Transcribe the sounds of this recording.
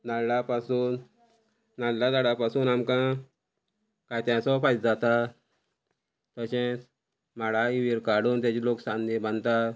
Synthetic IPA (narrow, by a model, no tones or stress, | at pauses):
nallapasuːnː | allad̪aɽapasuːnamkã | kajt̪ãsɔfajt̪̚d͡zat̪a | t̪əɕɛ̃ | maɽaiʋiɾkaɽuːnt̪jat͡ɕiloksãnd̪ĩbʱənt̪a